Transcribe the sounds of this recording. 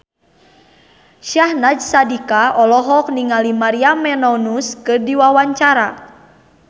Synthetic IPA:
ʃahnad͡ʒsadikaʔɔlɔɦɔk̚niŋalimaɾiamɛnɔnuskɨrdiwawaɲt͡ʃaɾa

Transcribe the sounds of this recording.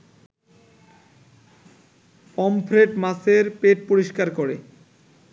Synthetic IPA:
pɔmpʰɾeʈmaseɾpeʈ̚poɾiʃkaɾkoɾe

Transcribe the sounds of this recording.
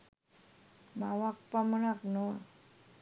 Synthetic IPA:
mawak̚pamunak̚noa

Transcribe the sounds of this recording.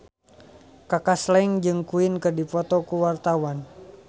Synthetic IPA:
kakaslaiŋd͡ʒɨŋkuɪnkərdipɔt̪ɔkuwart̪awan

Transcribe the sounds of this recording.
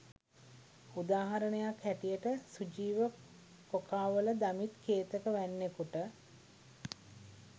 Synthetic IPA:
ud̪aːɦaɾənəjakːæʈijəʈəsud͡ʒiːʋə | kokaːʋələd̪amit̪kʰeːt̪əkəʋænːekuʈə

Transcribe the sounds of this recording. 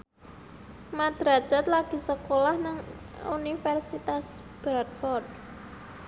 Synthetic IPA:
mad̪̥ɾḁd͡ʒ̥at̪laɡ̥i̤səkolahnaŋ | ṵnifɛrsit̪as | b̥ɾad̪fɔrd̪̚

